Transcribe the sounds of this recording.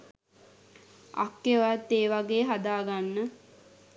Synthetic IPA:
a̰kːeʋat̪ːeːʋaɡeːɦad̪aːɡanːə

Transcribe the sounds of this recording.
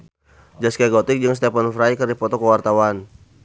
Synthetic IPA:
d͡ʒaskaɡɔt̪ɪk̚d͡ʒɨŋst̪ɛpanfɾaikərdipɔt̪ɔkəwart̪awan

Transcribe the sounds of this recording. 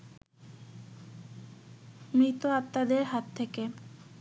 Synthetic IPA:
mɾit̪oap̚t̪ad̪eɾɦat̪ʰːeke

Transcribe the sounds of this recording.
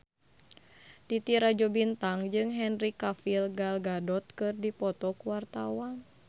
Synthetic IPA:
t̪it̪iɾad͡ʒɔbint̪aŋd͡ʒɨŋɦɛnrikafilɡalɡadɔt̪̚kɨrdipɔt̪ɔkuwart̪awan

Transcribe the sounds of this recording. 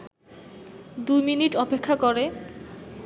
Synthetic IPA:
d̪ujminiʈɔpekʰːakoɾe

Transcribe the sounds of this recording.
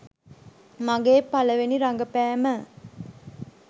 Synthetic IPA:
maɡeːpaləʋeniɾaŋɡəpæːmə

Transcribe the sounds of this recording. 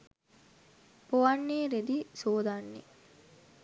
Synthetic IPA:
poʋanːiːɾed̪isoːd̪anːḭ

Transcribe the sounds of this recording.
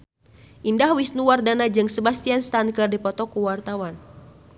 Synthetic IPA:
ʔindahwisnuwardanad͡ʒɨŋsəbast̪ianst̪ankərdipɔt̪ɔkuwart̪awan

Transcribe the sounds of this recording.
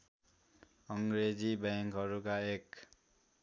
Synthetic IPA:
ʌŋɾed͡zibaŋkɦʌɾukaek

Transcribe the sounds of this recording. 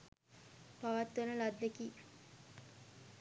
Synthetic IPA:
paʋat̪ːənəlad̪ːeki

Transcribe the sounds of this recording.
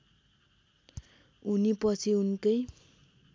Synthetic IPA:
unipʌt͡sʰiunkʌj

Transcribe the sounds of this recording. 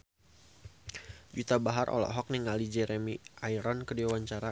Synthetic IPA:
d͡ʒut̪abaɦarʔɔ̰lɔ̰ʔɦɔk̚niŋalid͡ʒɛɾɛmiʔajɾɔnkədiawaɲt͡ʃaɾa

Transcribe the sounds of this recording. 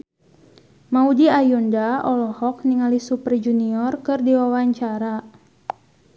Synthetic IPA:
maudiajundaɔlɔhɔk̚niŋalisupərd͡ʒuniɔrkɨrdiwawaɲt͡ʃaɾa

